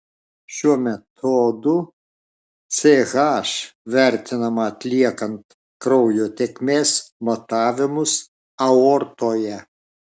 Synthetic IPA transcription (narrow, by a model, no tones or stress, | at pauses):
ʃʲuɔmʲɛt̪ʰoːd̪ʊ | t̪sʲeɣɑːʃʋʲæˑɾʲt̪ʲɪnɐmɐːt̪ʲlʲiɛkɐnt̪ | kɾɒʊjoːt̪ʲekmʲeːsmɐt̪ɑːʋʲɪmʊs | ɐɔɾt̪oːjɛ